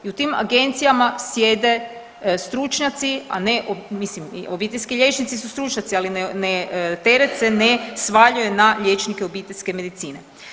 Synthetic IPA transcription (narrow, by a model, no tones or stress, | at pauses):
iut̪iːma̰ɡe̞nt̪sijamasje̞d̪e̞ | st̪ɾut͡ʃɲat̪sia̰neʔomislim̰obiːt̪elʲskiʎʲe̞t͡ʃnit̪sisust̪ɾut͡ʃɲat̪sialinnet̪e̞ɾet̪senesʋaʎujenaʎe̞t͡ʃnikeo̞biːt̪elʲske̞me̞d̪it̪siːne